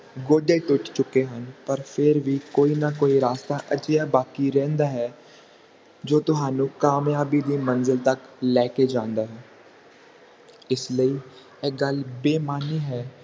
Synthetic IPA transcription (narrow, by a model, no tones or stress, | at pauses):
ɡoːɖeːʈ̪ʊʈʰt͡ʃʊkeɦənpəɾpʰɪɾʋiːkoːiːnakoːiɾaːst̪aʔət͡ʃjabaːkiɾɛ̃ːnd̪aːɦɛː | d͡ʒoːt̪ʊɦaːnũːkaːmjaːbiːd̪iːmə̃nzəlt̪əklɛːked͡ʒãːnd̪aːɦɛː | ɪsləiː | eːɡəlbeːmaːniːɦɛː